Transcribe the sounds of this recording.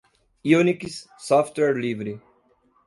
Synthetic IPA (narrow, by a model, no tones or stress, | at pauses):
ioːnikis | saːfʈweɾɖɪliːʋɾi